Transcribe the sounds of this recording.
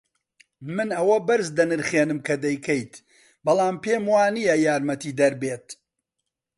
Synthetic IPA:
mɨnɐwɐbɐɾzd̪ɐnɨɾχeːnɨmkʰɐd̪ɐjkʰɐjt̪ | bɐlˠaːmpeːmwaːnijɐjaːɾmɐt̪iːd̪ɐɾbeːt̪̚

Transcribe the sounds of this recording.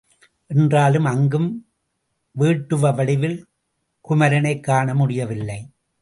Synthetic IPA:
ʔɛndraːlɯmɐŋɡɯm | ʋiːʈːɯʋɐʋɐɽɪʋɪl | kʊmɐɾɐnɐɪkːaːɳɐmʊɽɪjɐʋɪlːɐɪ

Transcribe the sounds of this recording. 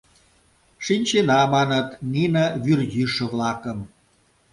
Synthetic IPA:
ʃinʲt͡ɕenɑmɑnət̪ninəβyrjyʃə̆βlɑkəm

